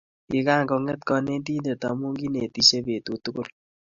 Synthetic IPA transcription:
ki˨ka˦˨ŋɡɔ˨ŋɛ˦t̚kɔ˧˨ne˦ndi˦nde˨tɔ˨mu˦ŋɡi˦ne˨ti˦se˦be˨tu˨tu˦kʊ˦l

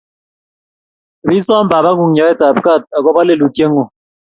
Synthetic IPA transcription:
bi˦sɔ˦m̩˦baː˨ba˦ŋu˨ŋ˦ɲɔ˨ɛ˦ta˨p̚ka˦˨t̚a˨kɔ˦ba˦le˦˨lu˨ke˦ŋu˨

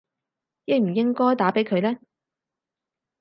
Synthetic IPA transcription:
jɪ˧jm̩˨˩jɪ˥ŋkɔː˥jt̪aː˨˥pe˨˥jkʰɵ˨˧ɥlɛː˥

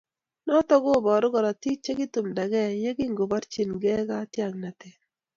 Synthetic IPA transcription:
nɔ˦t̪ɔ˦ɡo˦˨bɔ˨ɾʊ˦ɡɔ˨ɾa˨ti˦t͡ʃːe˦ɡɪ˦t̪u˨mda˨ɡɛ˦˨ɲe˦ɡi˦ŋɡo˨ba˦ɾt͡ʃi˨nɡɛ˦ɡa˦tja˦˨ŋna˨t̪e˨

